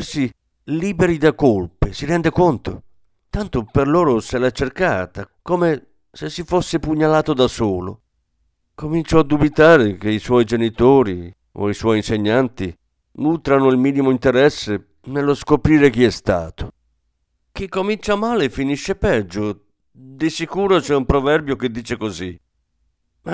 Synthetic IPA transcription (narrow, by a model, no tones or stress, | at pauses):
si | liːbeɾid̪akolpɪsiɾɛnd̪ekont̪ʊ̰ | t̪ant̪ʊperloːɾʊselat͡ʃːerkaːt̪akome | sesːifosːɪpuɲːalaːt̪od̪asoːlo̰ | komint͡ʃɔad̪ːubit̪aːɾɪk̟eiswɔjd͡ʒenit̪oːɾi | o̰iswɔjinseɲːant̪i | nuːt̪ɾanʊilmiːnimoint̪eɾɛsːe | nelːoskopɾiːɾek̟iɛst̪a̰ːt̪o̥ | k̟ikːomint͡ʃamaːlefiniʃːepɛd͡ʒːo | d̪isikuːɾot͡ʃɛumpɾɔvɛrbjok̟ed̪ːiːt͡ʃekozi | ma